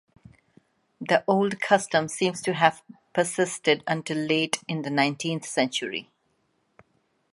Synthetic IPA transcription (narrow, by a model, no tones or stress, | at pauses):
d̪əʔoːlɖkʰʌstə̃msĩːmsʈuɦæv̥pəsɪsʈɪɖə̃nʈɪlːeːʈɪ̃nd̪ənãɪ̃nʈʰĩnt̪sɛ̃nt͡ʃəɹḭ